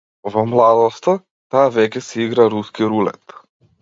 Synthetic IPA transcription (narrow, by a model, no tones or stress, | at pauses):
vɔmlˠad̪ɔst̪a | t̪aːvɛkʲɛsɛiɡɾaɾuskiɾulɛ̰t̪